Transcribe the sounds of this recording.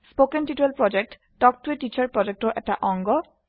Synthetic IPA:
spokenʈiʈuelpɹɔd͡ʑek̚ʈ | ɖɔk̚ʈueʈit͡ɕaɹpɹɔd͡ʑek̚ʈɔʔɛk̚ʈaʔɔŋɡɔ

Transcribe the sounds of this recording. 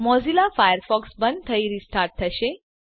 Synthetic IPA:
mɔd͡zilafajəɾfɔksbən̚t̪ʰəiɾisʈʰaɾʈ̚t̪ʰːəɕe

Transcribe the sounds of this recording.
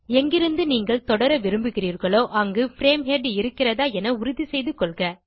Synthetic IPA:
ɛŋɡɪɾɯnd̪ɯniːŋɡɐɭt̪ɔɽɐɾɐʋɪɾɯmbɯɣɪriːɾɣɐɭoːʔɐŋɡɯfɪɾeːmɦeɖɪɾɯkːɪrɐðaːɛnɐʊɾʊðisɛjðɯkːɔlɣɐ

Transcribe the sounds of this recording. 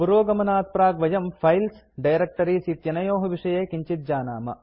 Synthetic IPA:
buɾoːɡɐmɐnaːt̪̚pɾaːɡʋɐjɐmpʰɐjls | ɖɐjɾɐk̚ʈɐɾiːsiːt̪jɐnɐjoːɦɐʋiʂɐjeːkiɲt͡ʃit̪̚d͡ʒaːnaːmɐ̰

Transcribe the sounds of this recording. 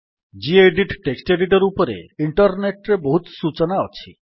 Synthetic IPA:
d͡ʒieɖiʈʈeksʈeɖiʈɔɾupɔɾḛiɳʈɔɾneʈɾebɔɦut̪sut͡ʃɔnaɔt͡ʃʰi

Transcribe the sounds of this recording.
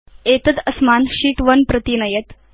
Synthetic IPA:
et̪əd̪əsmaːnɕiːʈʋənpɾət̪inɐjət̪

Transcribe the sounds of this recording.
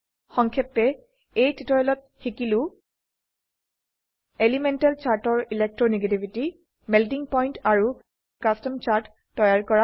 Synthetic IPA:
xɔŋkʰɛp̚ːɛ | ejtʰitɔɹɛlɔt̚xikilʊ̃ | elimɛntɛlt͡ʃaɹtɔɹilek̚tɹɔneɡetibʱiti | mɛltiŋpɔjntaɹu | kastɔmt͡ɕaɹtːɔjaɹkɔɹa

